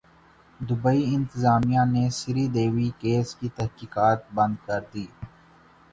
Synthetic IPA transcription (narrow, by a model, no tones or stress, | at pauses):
d̪ʊbəiɪ̃nt̪ɪzaːmijãnesɪɾid̪eːʋikeːskit̪ɐɦkiːkaːt̪̚bɐ̃nd̪̚kɐɾd̪iː